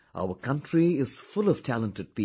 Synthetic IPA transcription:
ʔa̰ʊəkʰʌ̃ntʰɾiɪz̥fʊlɔv̥tʰælə̃ntɨɖ̚pi

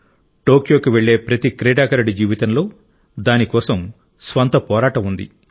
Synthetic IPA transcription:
ʈoːkjo̞ːkiʋe̞ɭːe̞ːpɾɐt̪ikɾɛːɖaːkɐɾɐɖid͡ʒiːʋit̪ɐnlo̞ː | d̪aːnikɔːsɐm | sʋɐnt̪ɐpɔːɾaːʈɐmund̪ḭ

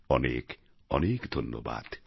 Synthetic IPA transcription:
ɔnḛk | ɔnekd̪ʱonːo̰ba̰d̪̥

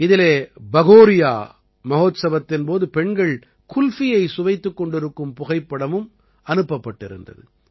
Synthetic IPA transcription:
ɪðɪleːbɐɣoːɾɪja̰ː | mɐɣoːt̪sɐʋɐt̪ːɪnpoːðɯpɛɳɡɐɭ | kʊlfɪjɐɪsʊʋɐɪt̪ːɯkːɔɳɖɪɾɯkːɯmpʊɣɐɪpːɐɽɐmɯm | ɐnɯpːɐpːɐʈːɪɾɯ̰ndɐ̰ðɯ̰

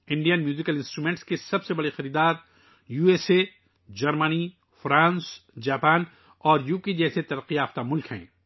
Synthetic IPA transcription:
ɪ̃ɳɖijənmjuːzɪkəlɪ̃nsʈɾuːmẽːɳʈskesɐbsebɐɽexɐɾiːd̪aːɾ | juːeːse | d͡ʒɐɾməni | fɾãːnsd͡ʒaːpaːn | ɔːɾjuːkid͡ʒɛːset̪ɐɾəqːiaːft̪amʊlkɦɛ̰̃ː

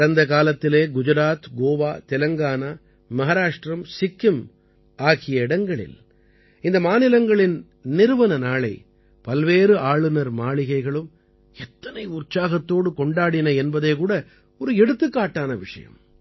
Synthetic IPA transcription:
ɐɽɐnd̪ɐkaːlɐt̪ːɪleːɡʊd͡ʒɐɾaːt̪ɡoːʋaːt̪ɛlɐŋɡaːnaː | mɐɦaːɾaːʂʈɾɐmsɪkːɯm | aːɣɪjɐɪɽɐŋɡɐɭɪ̰l | ɪnd̪ɐmaːnɪlɐŋɡɐɭɪn | nɪɾɯʋɐnɐnaːɭɐɪ | pɐlʋeːɾɯaːɭɯnɐɾmaːɭɪɣɐɪɣɐɭɯm | ɛt̪ːɐnɐɪʊrt͡ʃaːɣɐt̪ːoːɽɯkɔɳɖaːɽɪnɐɛnbɐðeːkuːɽɐ | ɔɾɯɛɽɯt̪ːɯkːaːʈːaːnɐʋɪʂɐ̰jɐ̰m

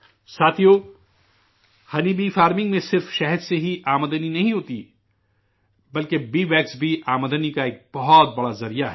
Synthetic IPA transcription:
saːt̪ʰijoː | hɐnibiːfaːɾmɪ̃ŋɡmẽsɪɾfʃɛɦəd̪seɦiʔaːməd̪əninɐɦĩɦoːt̪i | bɐlkebiːʋɛːksbʱiʔaːməd̪ənikaeːk̚bɐɦɔt̪̚bɐɽazɐɾijaɦɛː

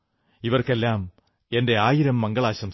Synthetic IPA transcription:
iʋɐrke̞lːaːm | e̞nde̞aːjiɾɐmːɐŋɡɐɭaːɕɐm

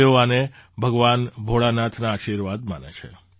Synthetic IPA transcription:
oanebʱəɡʋanbʱoɭanat̪ʰnaːʃiɾʋad̪ma̰nḛt͡ʃʰḛ

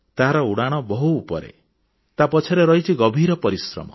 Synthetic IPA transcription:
t̪aɦaɾɔuɽaɽ̃ɔbɔɦuːpɔɾḛ | t̪apɔt͡ʃʰɔɾeɾɔɦit͡ʃʰiɡɔbʱiɾɔpɔɾisɾɔ̰mɔ̰

